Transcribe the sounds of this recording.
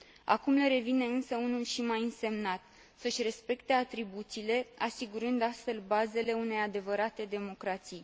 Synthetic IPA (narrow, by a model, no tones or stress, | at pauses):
a̰kumle̞ɾe̞vine̞ɨnsəunulʃimajɨnse̞mnat̪ | səʃʲre̞spe̞kt̪e̞at̪ɾibut̪sile̞asiɡuɾɨnd̪ast̪fe̞lbaze̞le̞une̞jad̪e̞vəɾat̪e̞d̪e̞mo̞kɾat̪sij